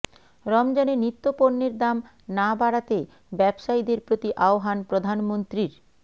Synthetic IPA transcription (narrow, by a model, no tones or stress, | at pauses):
ɾɔmd͡ʑanenit̪ːopoɾneɾd̪am | nabaɽat̪e | bɛbʃaid̪eɾpɾot̪iʔaoɦanpɾod̪ʱanmont̪ɾiɾ